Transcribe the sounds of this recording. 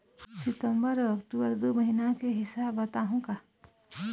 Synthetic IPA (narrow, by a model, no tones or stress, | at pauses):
sɪt̪ə̃mbəɾɐkʈubəɾd̪omɐɦinakeɦɪsabɐt̪aɦũka